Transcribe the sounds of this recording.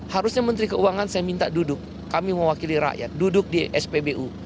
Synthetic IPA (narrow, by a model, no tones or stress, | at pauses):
haɾusɲamənt̪ɾikəuaŋansajamint̪adudʊkːamiməwakiliɾa̰ʔja̰t̪̚dudʊk̚diʔɛspebeʔu